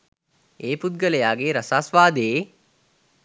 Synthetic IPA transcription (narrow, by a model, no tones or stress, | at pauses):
eːpud̪̚ɡələjaːɡeːɾasaːsʋaːd̪eː